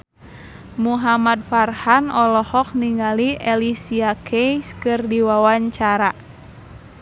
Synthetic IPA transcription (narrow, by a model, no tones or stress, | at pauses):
muɦamat̪̚farhanɔlɔhɔk̚niŋaliʔɛlisiakʰejskɨrdiwawaɲt͡ʃaɾa